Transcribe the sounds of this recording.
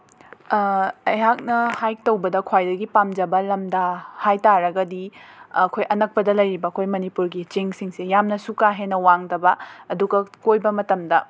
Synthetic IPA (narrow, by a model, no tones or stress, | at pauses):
ɐjɦak̚nɐhajtɐwbɐdɐkʰwajdɐɡipamd͡ʒɐbɐlɐmdɐhajtaɾɐɡɐdiɐkʰojʔɐnɐk̚pɐdɐlɐjɾibɐɐkʰojmɐnipuɾɡit͡ʃiŋsiŋsejamnɐsukaɦenɐwaŋdɐbɐːduɡɐkojbɐmɐtɐmdɐ